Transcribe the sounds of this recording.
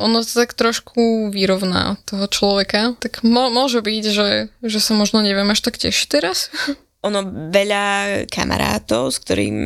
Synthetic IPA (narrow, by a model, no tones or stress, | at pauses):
ʔɔnɔsat̪akt̪ɾɔʃkʰuʋiɾɔʊna̰ːt̪ɔɦɔt͡ʃlɔʋɛkat̪akmɔmʊɔʒɛbicʒɛʒɛsamɔʒnɔɲɛʋɪɛmaʃt̪akcɛ̰ʃi̥t̪ɛɾas | ʔɔnɔʋɛʎakʰa̰ma̰ɾa̰ːt̪ɔʊskt̪ɔɾḭːm